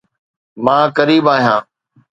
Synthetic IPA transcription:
mãːkəɾiːbaːɦjãː

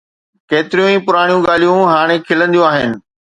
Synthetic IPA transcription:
keːt̪ɪɾijũĩːpʊɾaːɽ̃ijũɠaːl̤ijũɦaːɽ̃ekʰɪlə̃nd̪ijũaːɦɪnɪ̆

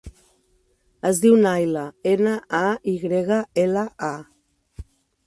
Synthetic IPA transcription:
əzðiwnajləenaʔaiɣɾeɣaelaa

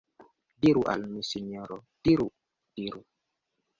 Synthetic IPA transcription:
diɾuʔa̰lmisiɲɔɾɔd̥iɾu | d̥iɾu

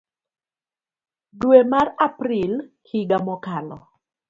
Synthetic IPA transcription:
duemarapril | hiɡamɔkalɔ̰

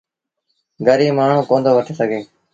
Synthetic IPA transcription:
ɡəɾiːmaːɳ̤ũːkoːnd̪oːʋəʈʰeːsəɡʱeː

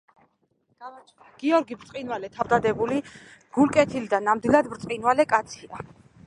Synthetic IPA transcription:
ɡ̥avat͡ʃʰaɡ̥iɔɾɡibɾt̪sqʼinvalɛt̪ʰavd̪ad̪ɛbuliɡ̥ulkʼɛt̪ʰilid̪anːamd̪ilˠad̪bɾt̪ʼqʼinvalɛkʼat̪sʰia̰

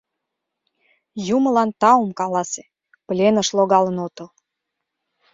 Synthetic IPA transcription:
juməlɑnt̪ɑumkɑlɑse̥ | plʲenəʃloɣɑlənot̪əl

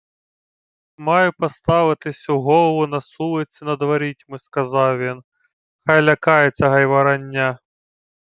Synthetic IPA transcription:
mɑjʊpɐst̪ɑʋɪt̪ɪsʲuɦɔlˠɐʋʊnɐsulˠɪt̪sʲɪnɐd̪ʋɐɾʲitʲmɪskɐzɑwjʲin | xajlʲɐkɑjet͡sʲːɐɦɐjʋɐɾɐnʲːa

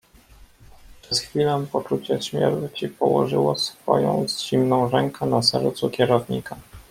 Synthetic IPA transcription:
pʂɛt̪xfʲilɛpɔt͡ʂut͡ɕɛɕmʲjɛ̰ɾt͡ɕipɔwɔ̰ʐɘwɔsfɔ̰jɔ̰̃w̃zʑimnɔ̃w̃ʐɛŋkɛnasɛ̰ɾt̪sukʲjɛɾɔvɲḭka

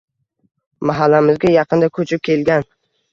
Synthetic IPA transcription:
maɦalːamɪzɡʲajɑqʰɨnd̪akʰɵt͡ʃʰɪp̚kʲelɡʲan

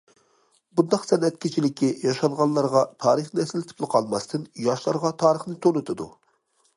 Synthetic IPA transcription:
bund̪ɑqsɛnɛt̪̚kʲit͡ʃʰilɪkʲʰːijɑʃɑŋʁɑnlˠɑɾʁɑt̪ʰɑːɾɨχnnɛsɪlt̪ʰɨ̥plˠɨqʰɑlˠmɑst̪ʰɨnjɑʃlˠɑɾʁɑt̪ʰɑːɾəχnɨt̪ʰonɨt̪ʰɨd̪u

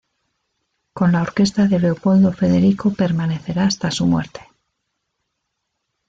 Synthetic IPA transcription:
ko̞nlao̞ɾke̞st̪aðe̞le̞opo̞ld̪o̞fe̞ðe̞ɾikope̞ɾmane̞θe̞ɾaːst̪asumwḛɾt̪e̞̥

